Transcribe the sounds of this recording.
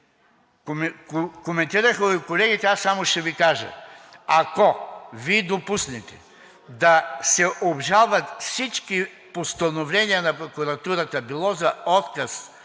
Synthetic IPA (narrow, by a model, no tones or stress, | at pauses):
komɛnt̪iɾəxəkolɛɡit̪ɛasːamoʃɛvikaʒə̰akɔviɛd̪opusnɛt̪ɛ̥ | d̪ɐsɛʔobʒalˠvɐt̪fsit͡ʃki | post̪ɐnovlɛniənɐpɾokuɾɐt̪uɾɐt̪əbilˠɔzɐɔt̪kɐs